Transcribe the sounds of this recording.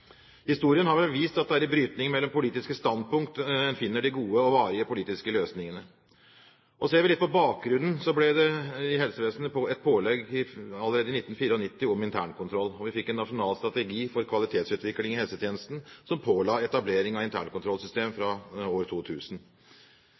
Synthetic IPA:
hɪst̪uːɾɪənhɑɾʋɛlʋiːst̪ɑt̪d̪ɛæɾɪbɾyːt̪nɪŋəmɛlːɔmpʊliːt̪ɪskəst̪ɑnd̪̚pʊŋkt̪ɛnfɪnːəɖɪɡuːəɔʋɑːɾɪəpʊliːt̪ɪskəløːsnɪŋənə | ʔɔseːɾʋɪlɪt̪pɔbɑːk̚ɡɾʉnn̩sɔblɛd̪ɛɪhɛlsəʋeːsn̩pʰɔɛt̪̚pʰoːlɛɡɪɑlːəɾeːd̪əɪnɪt̪ːn̩fiːɾəɔnɪt̪ːɪɔmɪnt̪ʰæ̰ːɳkʰʊnt̪ʰɾɔlːɔʋɪfɪkːɛnːɑʂʊnɑːlst̪ɾɑt̪ɛɡiːfɔɾkʰʋɑlɪt̪ʰeːt̪sʉːt̪ʋɪklɪŋɪhɛlsət̪ʰjeːnəst̪n̩sɔmpʰoːlɑːɛt̪ɑbleːɾɪŋɑʋɪnt̪ʰæ̰ːɳkʰʊnt̪ʰɾɔlsʏst̪eːmfɾɑoːɾt̪ʰuːt̪ʰʉːsn̩

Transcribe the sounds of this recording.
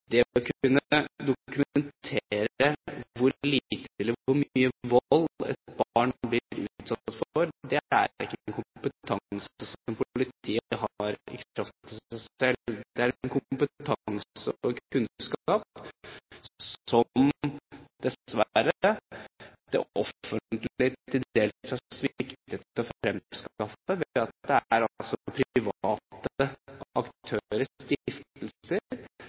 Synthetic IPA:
d̪ɛɔkʰʉnːəd̪ʊkʉmənt̪ʰeːɾəʋʊɾlit̪ɪlːəʊɾmyːəʋɔlːɛ̰t̪̚bɑːɳblɪɾʉ̰t̪sɑt̪ɑt̪ːfɔɾd̪ɛæ̰ɾɪ̰kːənkʰʊpət̪ʰɑsəsɔmpʊpʊlɪt̪ʰiːɦɑɾɪ̰kɾɑft̪t̪ʰɪsæɛld̪̥ɛæɾnkʰʊmpət̪ʰɑŋsəɔkʰʉnskɑːp | sɔm | d̪̥ɛʋæɾə | d̪̥ɛ̰ʔɔənt̪lɪt̪ʰɪld̪eːlsɑsʋɪkt̪ət̪ɔfɾɛmskɑfəʋeɑt̪̚d̪ɛæɾɑllsɔɔpʰɾʋɑːt̪əɑ̰kt̪ʰøɾəɾst̪ɪft̪lə

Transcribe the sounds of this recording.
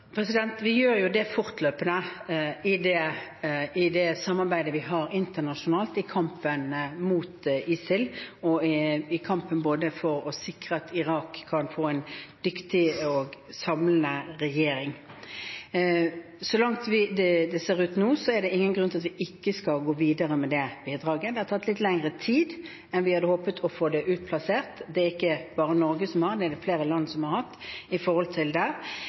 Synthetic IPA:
pʰɾɛsɪd̪ɛnt̪ʋɪjøːɾjʊd̪ɛfʊʁt̪ʰløːpənəɪd̪ɛ | ɪd̪ɛsɑmːɑɾbæɪd̪əʋɪɦɑɾɪnt̪ənɑʂʊnɑːlt̪ɪkʰɑmpənmuːt̪ɪːsɪlɔɪkʰɑmpənboːd̪əfɔɾɔsɪkʁəɑt̪ɪʁɑːkʰːɑnfoːɛɪnd̪ʏkt̪ɪɔɡsɑmlənəʁɛjeːɾɪŋ | sɔlɑŋt̪ʋɪd̪ɛd̪ɛseːʁʉːt̪nuːsɔɛʁd̪ɛɪŋːənɡʁʉnɑt̪ʋɪʔɪkːəskɑlɡoːʋiːd̪əʁəmɛd̪ɛbiːd̪ʁɑːɡəd̪ɛhɑɾt̪ɑt̪ːlɪt̪ːlɛŋʁət̪ʰiːd̪ | ɛnʋɪhɑd̪əhoːpət̪ʰɔfoːd̪ɛʔʉːt̪̚pʰlɑseːʁt̪d̪ɛæɾɪkːəb̥ɑːʁənɔɾɡəsɔmhɑʁd̪ɛæd̪ɛfleːʁəlɑnːsɔmhɑɾʁhɑt̪ːɪfɔɾʁhɔlt̪ʰɪld̪ɛ

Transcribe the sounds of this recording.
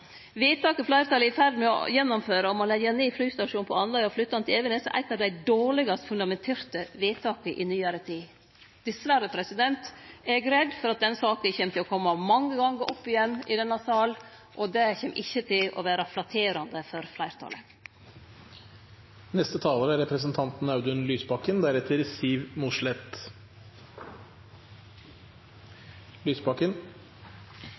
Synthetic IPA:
ʋeːt̪ɑːkəflæɪɾt̪ɑːləɪfæɾd̪n̩mɛɔ̰jɛnːɔmføːɾəɔmɔlɛɡəneːflyːst̪ɑʂuːnpʰɔɑnlɑɪɔflʏt̪ːɑnt̪ʰɪɛʋənəsɔ̰ʔæ̰ɪt̪ɑd̪æɪd̪oːɭɪɡɑst̪fʉnd̪ɑmɛnt̪ʰeːɾt̪əʋeːt̪ʰɑːkəʔɪnyːəɾət̪ʰiː | d̪̥ɛsʋæɾəpʰɾɛsɪd̪ɛnt̪ɛɡɾɛd̪fɔɾɑt̪̚d̪ɛnsɑːkənçɛmt̪ʰɪlɔkʰɔmːɑmɑŋːəɡɑŋɡəʔɔpːɪjɛnːɪd̪ɛnːɑsɑːl | ʔɔd̪ɛçɛmʔɪçːət̪ʰɪlʔɔ̰ʋæːɾɑflɑt̪ʰeːɾɑnd̪əfɔɾflæɪɾt̪ʰɑ̰ːlə | nɛst̪ət̪ʰɑːləɾəæɾɛpɾəs̬ənt̪ʰɑnt̪n̩ɑʉd̪ʉnlyːspɑkənd̪æɾɛt̪ʰəɾsiːʋmʊʂlɛt̪ | lyːspɑkən

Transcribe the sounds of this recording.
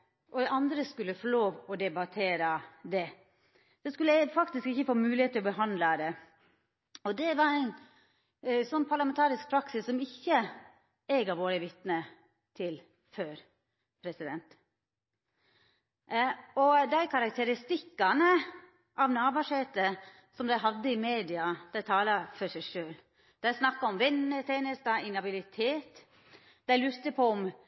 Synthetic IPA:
ʔɔɛɑnd̪ɾəskʉlːəfɔɭoːʋɔd̪ɛbɑt̪ʰeːɾɑd̪ɛ | d̪̥ɛskʉlːəfɑkt̪ɪskɪçəfoːmʉːlɪheːt̪ʰːɪlɔbəɦɑnd̪lɑd̪ɛ | ɔd̪ɛʋɑɾæɪn | sɔnːpʰɑɭɑmɛnt̪ʰɑːɾɪsk̚pʰɾɑksɪsːɔmɪçːə | eːɡɑʋoːɾəʋɪt̪nə | t̪ʰɪl | føːɾ | pʰɾɛsɪd̪ɛnt̪ | ɔd̪æɪkʰɑɾɑk̚t̪ʰəɾɪst̪ɪkːɑnə | ʔɑʋnɑːbɑʂeːt̪ə | sɔmd̪æɪɦɑd̪ːəɪmeːd̪ɪɑd̪̥æɪt̪ʰɑːlɑfɔʂæɪʂøːl | d̪̥æɪsnɑkːɑɔmʋɛnːət̪ʰeːnəst̪ɑʔɪnɑbɪlɪt̪ʰeːt̪ | d̪̥æɪlʉɾt̪əpʰɔɔm

